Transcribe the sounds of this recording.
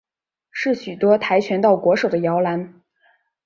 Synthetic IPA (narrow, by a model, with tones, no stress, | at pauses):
ʂɻ̩˥˩ɕy˨˩t̪wɔ˥t̪ʰa˧˥ɪt͡ɕʰɥɛ˧˥nt̪ɑ˥˩ʊkwɔ˧˥ʂo˨˩ʊd̪ə˦jɑ˧˥ʊla˧˥n